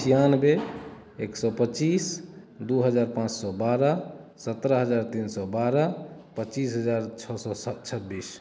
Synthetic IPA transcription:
ijanbe | eksɔpət͡ʃis | d̪uɦəd͡ʒaɾpãt͡ʃsɔbaɾəsət̪ɾəɦəd͡ʒaɾt̪insɔbaɾəpət͡ʃisɦəd͡ʒaɾt͡ʃʰɔsɔst͡ʃʰəbːis

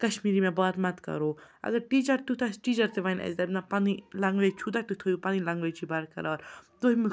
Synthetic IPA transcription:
kɐʃmiːɾimẽbaːt̪mɐt̪kɐ̰ɾoːɐ̰ɡɐɾʈiːt͡ʃɐɾt̪ut̪ʰasʈiːt͡ʃɐɾt̪eʋanɐ̰zd̪abnapaːnilãŋɡʋeːt͡ʃʰud̪at̪ut̪ʰoːjupaːnilãŋɡʋet͡ʃʰibaɾkɐ̰ɾaːɾd̪oɦimu

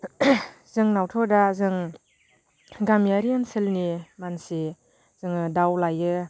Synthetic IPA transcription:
zɯŋnawtʰɔdazɯŋ | ɡamijaɾiɯnsɯlnimansi | z̥ɯŋɯdawlajɯ

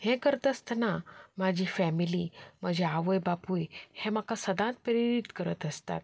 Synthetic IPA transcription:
hẽkəɾət̪əst̪ənamad͡ʑʱiːfɛmilim̤əd͡ʑeaʋəjbapujhẽmakasəd̪ãt̪̚pəɾiɾit̪kəɾət̪əst̪a̰t̪̚

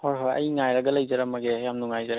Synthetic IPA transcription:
hɔɾɦɔɾɐ̰jŋajɾaɡɐlɐjzaɾamaɡejamnuŋajzaɾ

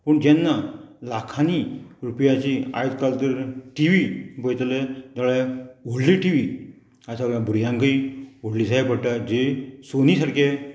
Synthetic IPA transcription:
pəɳd͡ʑɛnːalakʰaniɾupjat͡ɕia̰jt̪kalt̪əɾʈiʋibəjt̪let̪əɭɛʋoɽliʈiʋi | asaɡãbʱuɾjãŋkəiʋoɽliːsajbəɽʈad͡ʑesonisaɽkʰe

